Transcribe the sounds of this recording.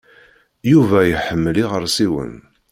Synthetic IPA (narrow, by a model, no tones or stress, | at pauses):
juvæjəħəmːəliʁəɾsiwə̰n